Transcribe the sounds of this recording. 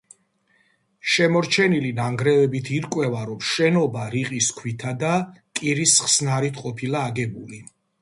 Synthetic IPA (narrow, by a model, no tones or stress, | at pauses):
ʃɛmɔɾt͡ʃʰɛnilinaŋɡɾɛvɛbit̪ʰiɾkʼwɛvaɾɔmʃɛnɔbaɾiqʼiskʰwit̪ʰad̪akʼiɾisχsnaɾit̪ʰqʼɔpʰilaːɡɛbuli